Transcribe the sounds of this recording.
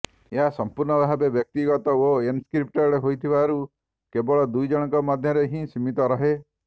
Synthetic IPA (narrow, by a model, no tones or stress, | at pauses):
eɦasɔmpuɾɳɔbaɦabebjɔk̚t̪iɡɔt̪ɔoenskɾip̚ʈɔɾɾeɦojt̪ʰibaɾu | kebɔɭɔd̪ujd͡ʒɔɽ̃ɔŋkɔmɔd̪ʱjɔɾeɦĩsimit̪ɔɾɔɦe